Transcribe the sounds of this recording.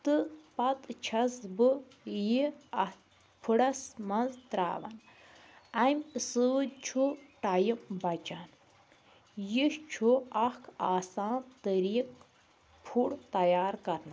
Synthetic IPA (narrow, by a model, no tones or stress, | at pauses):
t̪ɨpɐt̪t͡ʃʰɐsbɨ | jiɐ | pʰuɽɐsmɐnzt̪ɾa̰ːʋɐ̰n | ɐmʲsɨt͡ʃʰuʈajimbɐt͡ʃan | jiʃt͡ʃʰuɐhkʰaːsaːnt̪əɾiːk̚ | pʰuɽt̪ɐjaːɾkɐɾna